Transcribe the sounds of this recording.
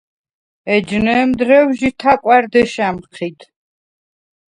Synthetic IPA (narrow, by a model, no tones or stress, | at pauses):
ɛd͡ʒnɛːmd̪ɾɛwʒit̪ʰakʼwaɾd̪ɛʃamqʰit̪ʰ